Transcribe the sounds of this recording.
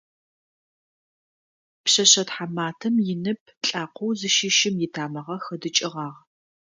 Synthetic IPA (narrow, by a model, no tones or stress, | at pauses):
pɕɐɕɐtħamaːtʰɐmjɪnɨp̚ʰɬʼaːqʰʷowzɨʃɪʃɪmjɪtʰaːmɐʁɐxɐdɨt͡ʃʼɪʁɑːʁ